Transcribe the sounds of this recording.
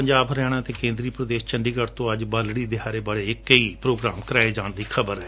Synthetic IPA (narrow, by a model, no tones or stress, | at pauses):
pəɲd͡ʒaːbəɾɛːɽ̃ãːt̪eːkẽːnd̪ɾiːpɾəd̪eːʃt͡ʃəɳɖiːkəɾt̪õːəd͡ʒbaːlɽiːd̪ɪɦaːɾeːbaːɽeːɪkːəiːpɾoːɡɾaːmkəɾaːed͡ʒãːɳd̪iːkʰəbəɾɦɛː